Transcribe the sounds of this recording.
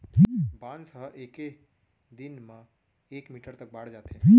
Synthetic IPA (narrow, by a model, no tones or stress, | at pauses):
ɦbãːnsəɦʔeːke | d̪ɪnmã | eːkmiːʈəɾt̪ɐk̚baːɽ̤d͡ʒaːt̪ẽɦ